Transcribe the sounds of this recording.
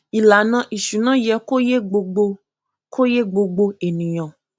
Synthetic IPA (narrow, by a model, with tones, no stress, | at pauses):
i˨la˨˦nã˧˦ʔi˨ʃu˨˦nã˦jɛ˧ko˦je˦ɡ͡bo˧ɡ͡bo˧ | kʰo˦je˦ɡ͡bo˧ɡ͡bo˧e˨nĩ˨j̃ɔ̃˨